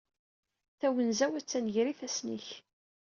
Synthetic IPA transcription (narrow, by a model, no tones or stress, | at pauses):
θæwənzæwæt͡sːænʝɾiθæsnḭç